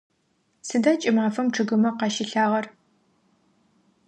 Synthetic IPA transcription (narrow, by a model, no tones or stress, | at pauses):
sɨdaːt͡ʃʼɪmaːfɐmʈ͡ʂʰɨɣɨmɐqɑːʃɪɬaːʁɐr